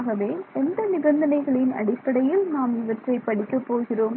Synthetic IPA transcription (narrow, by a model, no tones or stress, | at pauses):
ɣɐʋeːɛnd̪ɐnɪbɐnd̪ɐnɐɪɣɐɭɪnɐ̰ɽɪpːɐɽɐjɪlnaːmɪʋɐʈrɐɪpːɐɽɪkːɐpːoːɣɪroːm